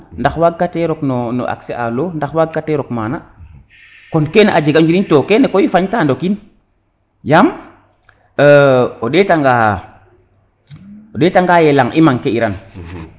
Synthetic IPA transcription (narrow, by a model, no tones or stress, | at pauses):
ndaxwaɡkːateɾɔknɔnɔ̰ʔa̰kseʔaloːndaxwaɡ̚kateɾɔkmaːna | konkeneʔad͡ʒeɡad͡ʒuɾintokenekojifaɲtandokin | jam | əoɗetaŋɡa | oɗetaŋɡajelaŋʔimaŋkeiɾan